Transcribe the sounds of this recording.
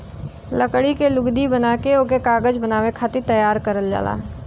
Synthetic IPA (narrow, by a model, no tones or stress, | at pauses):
lɐkɽikelʊɡd̪ibɐnaːkeoːkekaːɡəd͡ʒbɐnaːwekʰaːt̪et̪ɐjaːɾkɐɾəld͡ʒa̰ːla̰ːɦ